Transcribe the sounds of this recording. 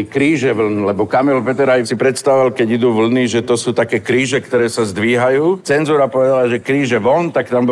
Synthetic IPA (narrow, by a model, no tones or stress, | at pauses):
kɾiːʒɛʋl̩nlɛbɔkamɛlpɛt̪ɛɾajsipɾɛt̪st̪aʋʋalkɛɟid̪uːʋl̩niʒɛt̪ɔsuːt̪akɛːkɾiːʒɛkt̪ɔɾɛːsazd̪ʋiːɦajuːt͡sɛnzuːɾapɔʋɛd̪alaʒɛkɾiːʒɛʋɔnt̪akt̪amb